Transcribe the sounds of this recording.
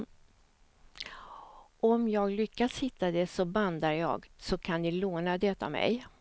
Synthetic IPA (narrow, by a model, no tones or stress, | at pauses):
ɔmjɑːɡlʏkːashɪt̪ːad̪ɛsɔband̪aɾjɑ̰ːɡsɔkʰand̪ɪloːnad̪ɛt̪a̰mɛ̰j